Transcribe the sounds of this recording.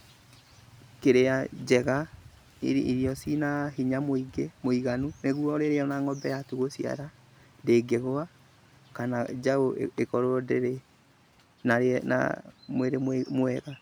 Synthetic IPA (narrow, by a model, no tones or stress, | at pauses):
keɾead͡ʒɛɣa | iḭɾijɔsinaɦiɲamoiɡemoiɣanuneɣuɔɾeɾeɔnaŋɔbɛjatuɣosia̰ɾa | deːɡeɣoa | kanad͡ʒaoekɔɾoɔdeɾe | naɾna̰mweɾemmoɛɣa